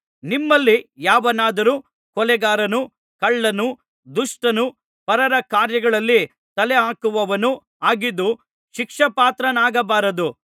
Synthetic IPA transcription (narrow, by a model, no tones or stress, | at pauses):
nimːɐlːijaːʋɐnaːd̪ɐɾuː | kɔlɛɡaːɾɐnu | kɐɭːɐnu | d̪uʂʈɐnu | pɐɾɐɾɐkaːɾjɐɡɐɭɐlːi | t̪ɐlɛaːkuʋɐʋɐnu | aːɡid̪ːu | ʃikʂɐpaːt̪ɾɐnaːɡɐbaːɾɐd̪u